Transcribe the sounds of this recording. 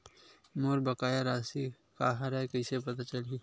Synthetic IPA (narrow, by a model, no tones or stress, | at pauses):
moːɾbəkaːjaɾaːsi | kaːɦaɾaekɐɪsep̬ɐt̪at͡ʃəli